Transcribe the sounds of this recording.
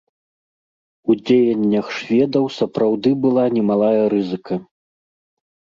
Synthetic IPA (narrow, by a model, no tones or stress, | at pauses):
ud͡zʲejɐnʲːɐxʂvʲɛd̪ɐwsɐpɾawd̪ɨbɨlˠanʲɛmalˠajɐɾɨzɨkʰɐ